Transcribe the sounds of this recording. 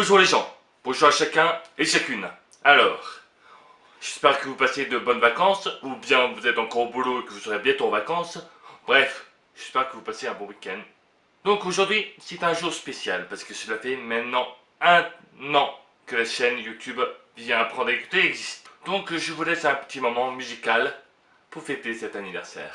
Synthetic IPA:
uʒũleʒɑ̃ | b̥õʒuʁaʃakʲɛ̃eʃakʲyn | alɔːʁ | ʒ̥ɛspɛʁkəvupased̪əbɔnvakɑ̃subjɛ̃vuzɛt̪ɑ̃kɔʁobuloekəvusəʁebjɛ̃t̪oɑ̃vakɑ̃sbʁɛf | ʒ̥ɛspɛʁkəvupaseɛ̃bɔ̃wikʲɛn | d̪ɔ̃koʒuʁd̪ɥisɛt̪ɛ̃ʒuʁspesjalpaʁsə̥kəsəlafɛmɛ̃t̪nɑ̃ | ɛ̃ | nɑ̃ | kəlaʃɛnjut̪ʰyb | vjɛ̃apχɑ̃d̪ʁeku̥t̪eɛɡzist̪d̪̥ɔ̃kʒəvulɛsɛ̃pə̥t̪ʰimɔmɑ̃myzikal | puʁfet̪esɛt̪anivɛʁsɛ̰ːʁ

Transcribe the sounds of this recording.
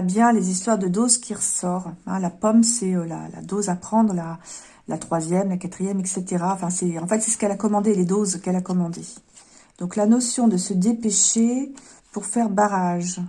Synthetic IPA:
bjɛ̃lezist̪waʁd̪əd̪ozkʲiʁəsɔʁɛ̰̃lapɔmsɛøla̰la̰d̪ozapχɑ̃d̪ʁəla | lʔat̪χwazjɛmlakat̪χijɛmɛkset̪eʁaɑ̃fɛ̃sɛɑ̃fɛt̪sɛsə̥kɛlakɔmɑ̃d̪eled̪ozkɛlakɔmɑ̃d̪e | d̪̥ɔ̃klanɔsjɔ̃d̪əsəd̪epeʃe | puʁfɛʁbaʁaʒ

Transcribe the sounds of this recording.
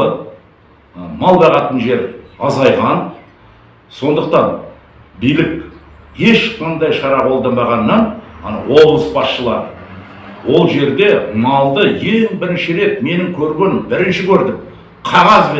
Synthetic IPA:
ə | mɑlˠbɑʁɑt̪ənʒe̞ɾɑzɑjʁɑn | so̞nd̪əq̚t̪ɑn | bijlɪk | je̞ʃqʰɑnd̪ɑjʃɑɾɑqʰo̞lˠd̪ɑmbɑʁɑnːɑnwobəsbɑsʃəlˠɑɾə | wo̞lˠʒe̞ɾd̪e̞mɑlˠd̪əje̞ŋbɪɾɪnʃɪɾe̞t̪me̞nɪŋkʲʰɵɾɡʲenɪmbɪɾɪnʃɪkʲʰɵɾd̪ɪm | qʰɑʁɑzbe

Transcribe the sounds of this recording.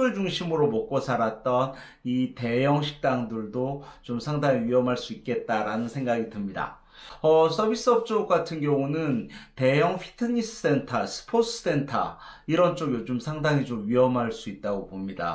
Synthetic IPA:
ɯɭd͡ʑuŋɕʰimɯɾomʌk͈̚osʰaɾat̚t͈ʌn | ite̞jʌŋɕʰi̥k̚t͈aŋdɯɭdot͡ɕomsʰaŋdaŋiɥiʌmɦaɭs͈uik̚k͈e̞t̚t͈aɾanɯnsʰe̞ŋɡaɡitɯmɲida̰ | ʌsʰʌbʱis͈ɯʌp̚t͡ɕ͈oɡ͈atʰɯnɡjʌŋunɯnte̞jʌŋpʰi̥tʰɯɲis͈ʰɯ̥s͈e̞ntʰasʰɯ̥pʰos͈ʰɯ̥s͈e̞ntʰa̰ | iɾʌnt͡ɕ͈oɡiot͡ɕomsʰaŋdaŋit͡ɕomɥiʌmɦaɭs͈uit̚t͈aɡopomɲida̰

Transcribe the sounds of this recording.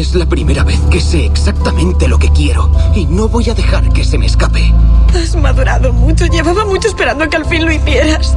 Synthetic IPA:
e̞zlapɾime̞ɾaβe̞θke̞se̞ːksak̚t̪amẽ̞nt̪e̞lo̞ke̞kje̞ɾo̞ino̞βo̞jaðe̞xaɾke̞se̞meːskape̞azmaðuɾaðomut͡ʃoʝe̞βaβamut͡ʃoespeɾand̪okealfinlo̞iθje̞ɾas

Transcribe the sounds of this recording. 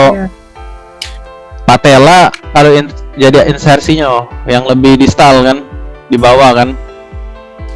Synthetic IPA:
o | pat̪elakaloind͡ʒadiʔinsarsiɲajaŋləbɪhdist̪alkandibawakan

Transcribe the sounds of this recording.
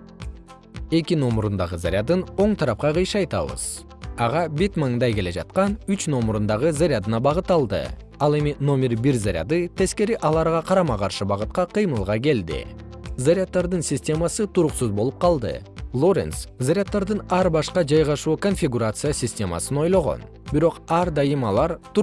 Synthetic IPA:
e̞kʲino̞mɾund̪ɑʁəza̰ɾʲad̪ɯno̞ɴt̪ʰɑɾɑp̚qɑqɯjʃɑjt̪ɑ̰βə̰z̥ | ɑʁɑbit̪məɴd̪ɑjkʲe̞le̞d͡ʒɑ̰t̪̚qɑnyt͡ʃno̞mɾund̪ɑʁəzaɾʲɪad̪ɯnɑbɑʁət̪ːɑlˠd̪ɯ̰ | ɑlˠe̞mino̞mʲe̞ɾbiɾzaɾʲa̰d̪ɨt̪ʰe̞ske̞ɾiʔɑlˠɑɾʁɑqʰɑɾɑmɑqɑɾʃɯbɑʁɯt̪̚qɑqʰɯjmɯlˠʁɑk̬e̞ld̪ɪ̰ | zaɾʲat̪ːɑɾd̪ɨnsʲɪsʲtʲe̞masɨt̪ʰuɾuqsuzbo̞lˠup̚qʰɑlˠd̪ɯ̰lˠo̞ɾʲḛnszaɾʲat̪ːɑɾd̪ɯnɑɾbɑʃqɑd͡ʒɑjʁɑʃuːko̞nfʲiɡuɾat̪sɨjasʲɪsʲtʲe̞mɑ̰sɯno̞jlˠo̞ʁo̞̰n | b̥iɾo̞qɑɾd̪ɑjɯmɑlˠɑɾt̪

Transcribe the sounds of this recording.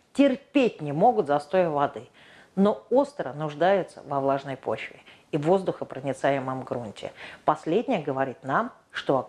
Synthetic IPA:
tʲɪrpʲet̚ʲnʲɪmo̞ɡʊt̪zɐst̪o̞jəvɐd̪ɨ | no̞ost̪ɾənʊʐd̪ajʊt̪sə̰vɐvlˠaʐnəjpo̞̰t͡ɕvʲɪ̰ | ivo̞zd̪ʊxəpɾənʲɪt̪sajɪməmɡɾunʲtʲɪ̰pɐsʲlʲedʲnʲɪjəɡəvɐɾʲit̪nam | ʂt̪o̞

